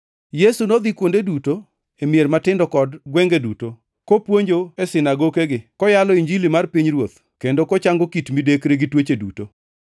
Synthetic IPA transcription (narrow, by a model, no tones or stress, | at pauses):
jesunod̪ikwondeduto | emjermatɪndɔkɔdɡwɛŋɡeduto | kopwoɲd͡ʒoesɪnaɡokeɡɪkɔjalɔiɲd͡ʒilimarpiɲrwot̪ | kendokɔt͡ʃaŋɡokitmidekɾeɡɪtwet͡ʃedṵto